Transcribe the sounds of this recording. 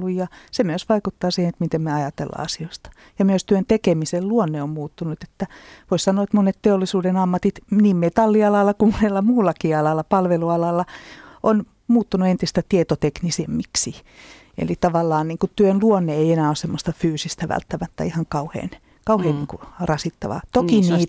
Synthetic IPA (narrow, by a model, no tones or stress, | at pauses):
ujjɑsemyøsʋɑikut̪ːɑːsihenet̪mit̪emmeɑjɑt̪ḛlːɑ̰ɑsioist̪ɑ̥ | jɑmyøst̪yønt̪ekemiselluonːeommuːt̪ːunut̪e̥t̪ːæʋoissɑnːˑoːet̪monet̪t̪eolːisuːdenɑmːɑt̪it̪niːmmet̪ɑlːiɑlɑlːɑkumonelːɑmuːlːɑkiɑlɑlːɑpɑlʋeluɑlɑlːɑʔon | muːt̪ːunuent̪ist̪æt̪iet̪ot̪eknisemːiksi | ḛlit̪ɑʋɑlːɑːnniːŋkut̪yønluonːeeienæːossemːost̪ɑfyːsist̪æʋæ̰lt̪ːæmæt̪ːæ̰ihɑŋkɑuhḛːn | kɑuheːnniːŋkurɑsit̪ːɑ̰ʋɑ̰t̪okiniːt̪